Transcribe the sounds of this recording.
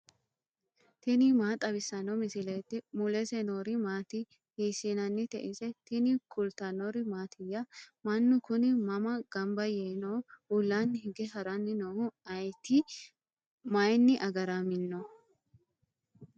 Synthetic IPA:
t̪ɪnɪmaːt̪ʼɐbɪsːɐnɔmɪsɪlɛːt̪ːɪmʊlɛsɛnoːɾɪmaːt̪ɪ | hiːsinɐnːɪt̪ɛʔɪsɛt̪ɪnɪkʰʊlt̪ɐnɔɾɪmaːt̪ʰɪjːɐmɐnːʊkʊnɪmɐmɐɡ̥ɐmbɐjeːnoʊlːanːhɪɡɛɦɐɾɐnːɪnoːhʊɐjt̪ːɪ | mɐjnːɪʔɐɡɐɾamɪnːɔ

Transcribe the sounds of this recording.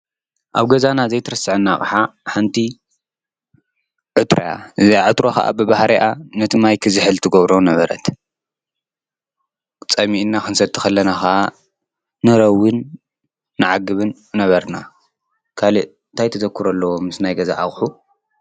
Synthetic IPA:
ʔaβɡɐzanazejt̪ʰɐɾɐsːɨʕɨnːaxʼħaħant̪ʰi | ʕɨt̪ʰɾoja̰ʔɨziaʕɨt̪ɾoxɐ̰ʔa̰bɨbahɾiʔanɨt̪ʰɨmajkʰɨzɨħɨlt̪ʰɨɡɐβɾonɐβɐɾɐ̰t̪ | kʼt͡sʼɐmiʔnːaxɨnsɐt̪ʰːɨ̥xɐlːɐnaxaa | nɨɾɐwːɨnː | ɨʕaɡɨβɨnːɐβɐɾna | kʰaliʔ | nt̪ʰajt̪ʰɐzɐkʰːɨɾɐlːɐwo̞mɨsnajɡɐza̰ʔa̰χʼħu

